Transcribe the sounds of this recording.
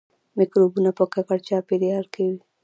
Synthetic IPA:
mɪkɾobunapəkakaɽt͡ʃɑped̪eaɾkewi

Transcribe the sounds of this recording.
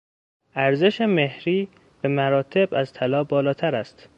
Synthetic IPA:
ʔæɾze̞ʃeme̞hɾiː | b̥emæɾɒːt̪ʰe̞bæzt̪ʰælɒːbɒːlɒːt̪ʰæɾæst̪

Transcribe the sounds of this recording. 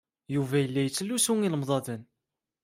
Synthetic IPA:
juvæjəlːæjət͡sːlːusuŋiləmðˤɑðən

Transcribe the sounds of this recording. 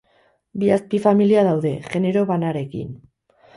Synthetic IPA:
biaspifamiliaðawðe̞ɣe̞ne̞ɾo̞βanaɾe̞kḭn

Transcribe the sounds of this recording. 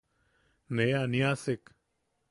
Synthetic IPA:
nejaːnijaːsɪk

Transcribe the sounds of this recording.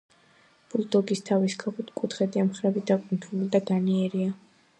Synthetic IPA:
b̥uld̪ɔɡist̪ʰavisɡʰaʁut̪kʼut̪ʰχɛd̪iamχɾɛbid̪akʼunt̪ʰulid̪aɡaniɛɾia

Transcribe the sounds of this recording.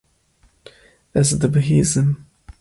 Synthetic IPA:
æzd̪əbɦizəm

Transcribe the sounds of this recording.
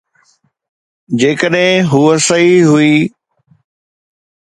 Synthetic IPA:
d͡ʑeːkəɗɦɪ̃ɦuːəsɐɦiɦuiː

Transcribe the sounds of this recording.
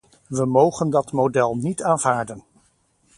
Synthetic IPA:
ʋəmowχəndɑtmodɛlˠnitaːnv̥aːɹdən

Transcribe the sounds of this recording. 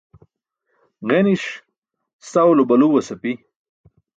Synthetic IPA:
ɣeniʂ | st̪awlobɐluwɐsɐpi

